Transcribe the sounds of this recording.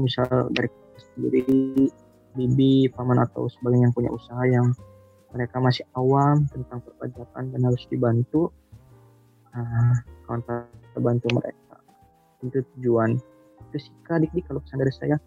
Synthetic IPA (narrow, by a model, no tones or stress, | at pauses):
misalda̰ɾik | səəndḭɾi | bibipamana̰t̪a̰wsəbaɡajaŋpuɲa̰usaɦajaŋ | məɾekamasɪhawamt̪ənt̪aŋpərba̰d͡ʒapa̰ndanhaɾʊsdibant̪u | əkawant̪at̪əbant̪umə̰ɾḛk̚a̰ | int̪ut̪ud͡ʒuan | t̪usi̥kadik̚dikalokə̥sandaɾisa̰ja